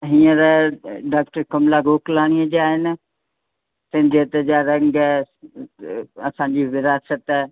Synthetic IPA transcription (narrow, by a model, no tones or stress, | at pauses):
ɦiːə̃ɾɐɖaːk̚ʈəɾkɐmlaɡʱoːklaːɽ̃iəd͡ʑaːɦɪnɪ̆ | t̪ɐ̃ɦɪ̃d͡ʑet̪d͡ʑaːɾɐ̃ŋɡ | ɐsãːɲd͡ʑiʋɪɾaːsət̪